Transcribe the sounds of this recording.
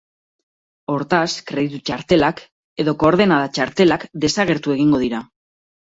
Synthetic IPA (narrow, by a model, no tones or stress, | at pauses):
o̞ɾt̪askɾe̞ðit̪ut͡ʃaɾt̪e̞lak | e̞ðo̞ko̞ːɾð̞e̞nað̞at͡ʃaɾt̪e̞lakd̪e̞saɣ̞e̞ɾt̪ue̞ɣ̞iŋɡo̞ðiɾa